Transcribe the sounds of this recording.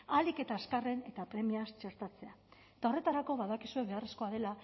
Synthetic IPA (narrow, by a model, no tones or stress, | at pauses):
alike̞t̪aːskare̞ne̞t̪apɾe̞miast͡ʃe̞ɾt̪at͡se̞aet̪ao̞re̞t̪aɾako̞βaðakisue̞βe̞aresko̞aðe̞la